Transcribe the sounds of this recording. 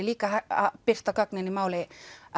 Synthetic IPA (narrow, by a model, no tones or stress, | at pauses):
eliːkɑhæɑpest̪ɑkɑknenimæole